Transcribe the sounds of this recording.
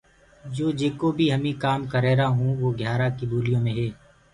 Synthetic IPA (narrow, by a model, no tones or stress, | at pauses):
d͡ʒoːd͡ʒeːkobʱiɦɐmĩkaːmkəɾɛːɾaɦũʋoːɡʱjaːɾakiboːlɪjõmẽɦɛː